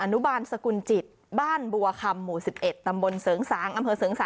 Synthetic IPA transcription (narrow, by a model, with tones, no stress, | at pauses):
ʔa˧nu˦˥baː˧nsa˧ku˧nt͡ɕi˨˩t̪̚ | baː˥˩nbu˧ɐ˧kʰa˧mːuː˨˩si˨˩p̚ʔe˨˩t̪ːa˧mbo˧nsɤː˩˦ŋsaː˩˦mʔa˧mpʰɤː˧sɤː˩˦ŋsaː˨˦